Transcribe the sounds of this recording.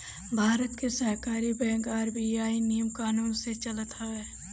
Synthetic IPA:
bʱaːɾət̪kesəɦkaːɾibɛ̃ːɡaːɾbiaːinijəmkaːnuːnset͡ʃɐlət̪ɦɐʋeː

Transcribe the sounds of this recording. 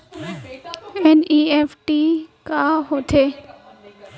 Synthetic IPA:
ɛniːeːfʈiːkaːɦoːt̪ʰeː

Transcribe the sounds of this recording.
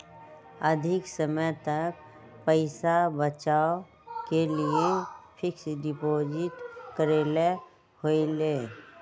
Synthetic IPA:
əd̪ʱɪksəməjt̪ɐk̚ | pəɪsabət͡ʃaːo | keliepʰɪksɖɪpoːd͡ʒɪʈkəɾeːle | hoileː

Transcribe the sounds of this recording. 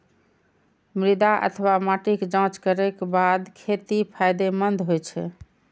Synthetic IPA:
mɾid̪aʔə̰t̪ʰəwamaʈikd͡ʒãt͡ʃkəɾekbad̪kʰet̪ipʰajd̪emənd̪ʱɦojt͡ʃʰɛ̰

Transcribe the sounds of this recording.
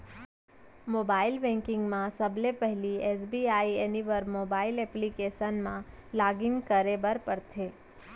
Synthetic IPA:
moːbaːɪlbɛ̃ŋkɪ̃ŋɡmãsəblepɛɦliɛsbiaːieniʋəɾmoːbaːɪlɛːplikeːʃənmã | laːɡɪ̃ŋɡkəɾebəɾpəɾt̪ʰeː

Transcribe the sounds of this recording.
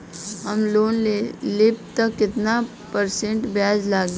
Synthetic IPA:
ɦəmloːnlɪp̚t̪əkːɪt̪na | pəɾsẽɳʈbjaːd͡ʒlaːɡ

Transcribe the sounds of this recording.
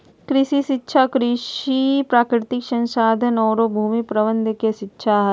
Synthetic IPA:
kɾɪʃiʃɪtːʃʰakɾɪʃipɾaːkɾɪt̪ɪkʃɐ̃nʃaːd̪ʱənɔːɾobʱuːmipɾɐʋə̃nd̪ʱkeʃɪtːʃʰaɦɛ

